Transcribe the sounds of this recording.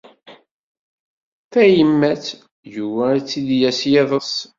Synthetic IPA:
θæjəmːæt͡s | juwæt͡sːid̪jæsjæðˤəs

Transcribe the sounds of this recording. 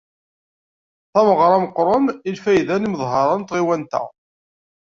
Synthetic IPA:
θæməʁɾˤɑməqɾˤəmilfæjðæniməðˤɦɑɾˤɑnt̪ʁiwænt̪æ̰

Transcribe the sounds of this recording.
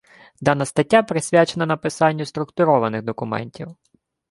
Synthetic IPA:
d̪ɑnɐst̪ɐtʲːapɾɪsʲʋʲat͡ʃenɐnɐpɪsɑnʲːʊst̪ɾʊkt̪ʊɾɔʋɐnɪɣd̪ɔkʊmɛ̰nʲtʲiw

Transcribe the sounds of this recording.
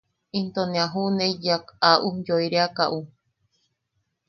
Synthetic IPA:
int̪oneaɦuneijakaʔujoiɾeakaʔu

